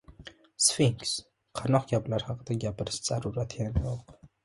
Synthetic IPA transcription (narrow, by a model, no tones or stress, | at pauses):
sfiŋks | qʰɑnɔqɡʲaplaɾhɑqd̪aɡʲapʰɨɾsz̥aɾuɾat̪ʰjanjoq